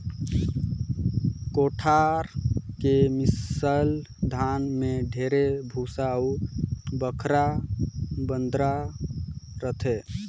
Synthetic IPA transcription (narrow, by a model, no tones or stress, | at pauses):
koʈʰaɾkemisəl | d̪ʱanmeɖʱeɾebʱusaubəkʰɾa | bənd̪ɾa | ɾət̪ʰe